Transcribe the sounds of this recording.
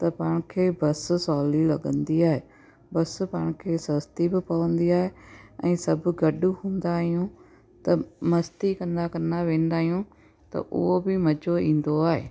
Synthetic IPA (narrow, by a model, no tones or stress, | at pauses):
t̪apaːɳkʰeːbəssɔːliːləɡənd̪iːaːeː | bəspaːɳkʰeːsəst̪iːbəpaːõnd̪iːaːeːə̰̃ːsəbɡəɖuːhʊ̃nd̪aːijõː | t̪aməst̪iːkənd̪aːkəɾnːaːʋẽːnd̪aːijũː | t̪ã̰ːʔobiːməd͡ʒoːĩːnd̪oːaːḛː